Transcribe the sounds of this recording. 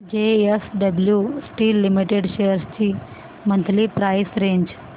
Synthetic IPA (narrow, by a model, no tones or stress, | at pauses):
d͡ʑeesɖəbljusʈiːlːimiʈeɖɕejəɾst͡ɕiː | mənt̪liːpɾajsɾeɲd͡ʑ